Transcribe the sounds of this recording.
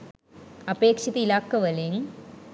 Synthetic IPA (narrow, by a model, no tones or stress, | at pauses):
ɐbeːkʂiðuilaːkːɐʋɐlem